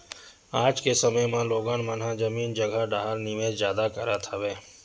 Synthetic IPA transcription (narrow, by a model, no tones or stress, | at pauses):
aːd͡ʒkesəməjmãloːɡãːnmənɦãd͡ʒəmiːnd͡ʒəɡʱaɖaːɦəɾnimẽːzjaːd̪akəɾat̪ʰaʋeː